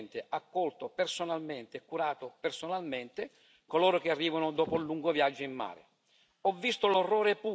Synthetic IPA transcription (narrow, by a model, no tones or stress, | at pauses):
nt̪eakːɔlt̪opersonalment̪eːkːuɾaːt̪opersonalment̪e | koloːɾok̟earːiːvanod̪ɔːpolːuŋɡovjad͡ʒːoimːa̰ːɾḛ | ɔvːist̪olorːɔːɾepuː